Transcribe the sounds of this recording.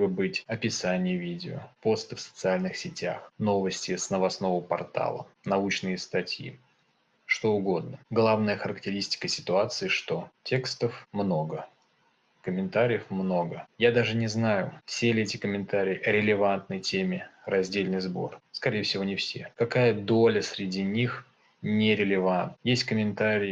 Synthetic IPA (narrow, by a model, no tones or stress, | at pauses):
bɨbɨtʲɐpʲɪsanʲɪjəvʲidʲɪopo̞st̪ɨfsə̥t̪sɨalʲnɨxsʲɪtʲa̰xno̞vəsʲtʲɪsnəvɐsno̞vʊpɐ̰rt̪a̰lˠə̰nɐut͡ɕnɨjəst̪ɐtʲjḭ | ʂt̪o̞ʊɡo̞d̪̚nəɡlˠavnəjəxəɾəktʲɪɾʲisʲtʲɪ̥kəsʲɪ̥t̪ʊat̪sɨɪʂt̪o̞tʲe̞kst̪əfmno̞ɡə | kəmʲɪnt̪aɾʲɪjəfmno̞ɡəjad̪aʐɨnʲɪznajʊfsʲelʲɪetʲɪkəmʲɪnt̪aɾʲɪjːɐɾʲɪlʲɪvant̪nəjtʲemʲɪrɐzʲdʲelʲnɨjzbo̞̰rskɐɾʲejəfsʲɪvo̞nʲɪfsʲe̞̰kɐkajəd̪o̞lʲəsʲɾʲɪdʲinʲix | nʲɪɾʲɪlʲɪvant̪jesʲtʲkəmʲɪnt̪aɾʲɪj